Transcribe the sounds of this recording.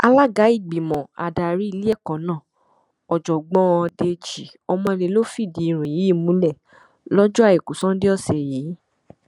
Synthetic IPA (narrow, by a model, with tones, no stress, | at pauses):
a˧la˦ɡa˨˦i˦˨ɡ͡bi˨mɔ̃˨a̰˨da˨ɾi˦i˧li˦ɛ˦˨kɔ̃˨˦nãː˦˨ | ɔ˨d͡ʒɔ˨ɡ͡bɔ̃˨˧˦ɔ̃˧de˧d͡ʒi˨ | ɔ˧mɔ̃˧e˧le˨˧˦lo˦fi˦˨di˨˦˧ɾ̃ũ˨ji˨˦i˦˨mũ˨˦lɛ˦˨ | lɔ˦d͡ʒɔ˦a˦˨i˨ku˨sɔ̃˦de˦ɔ˦˨sɛ˨je˨˦